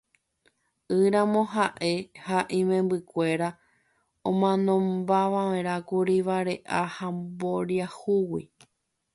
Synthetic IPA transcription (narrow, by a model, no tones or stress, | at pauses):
ɨɾãmõ̞ɦaʔe̞haʔĩmẽ̞mbɨkʷe̞ɾa | õmãnõ̞mbaʋaẽɾakuɾiʋaɾe̞ʔahambo̞ɾiahuwi